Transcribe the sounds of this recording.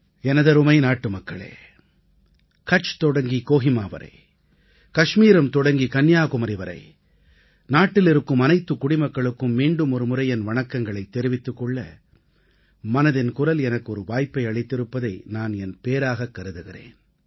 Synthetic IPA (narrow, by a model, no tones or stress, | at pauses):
ɛnɐðɐɾɯmɐɪnaːʈːɯmɐkːɐɭḛː | kɐʈt͡ʃt̪ɔɽɐŋɡikoːɣɪmaːʋɐ̰ɾɐ̰ɪ | kɐʂmiːɾɐmt̪ɔɽɐŋɡikɐnjaːkʊmɐɾɪʋɐɾɐ̰ɪ | naːʈːɪlɪɾɯkːɯmɐnɐɪt̪ːɯkːʊɽɪmɐkːɐɭɯkːɯmːiːɳɖɯmɔɾɯmɯɾɐjɛnʋɐɳɐkːɐŋɡɐɭɐɪt̪ːɛɾɪʋɪt̪ːɯkːɔɭːɐ̰ | mɐnɐðɪnkʊɾɐlɛnɐkːɯɔɾɯʋaːjpːɐɪɐɭɐɪt̪ːɪɾɯpːɐðɐɪnaːnɛnpeːɾaːɣɐkːɐɾɯðɯɣɪrḛːn